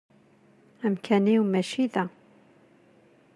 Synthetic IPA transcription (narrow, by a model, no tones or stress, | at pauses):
æmkʰæniwmæʃiðæ